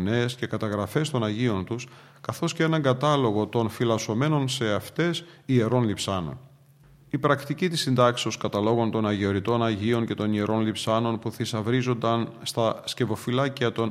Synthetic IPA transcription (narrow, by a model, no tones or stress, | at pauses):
ne̞sce̞kɐt̪ɐɣɾɐfe̞st̪o̞nɐʝio̞nt̪us | kɐθo̞sceenɐŋɡɐt̪ɐlo̞ɣo̞t̪o̞nfilɐso̞me̞no̞nse̞ɐft̪e̞sie̞ɾo̞nlipsɐno̞̰n | ipɾɐkt̪icit̪isind̪ɐkseo̞skɐt̪ɐlo̞ɣo̞nt̪o̞nɐʝeoɾit̪o̞nɐʝio̞nce̞t̪o̞nie̞ɾʔo̞nlipsɐno̞npuθisɐvɾizo̞nd̪ɐnst̪ɐsce̞vo̞filɐciɐt̪o̞n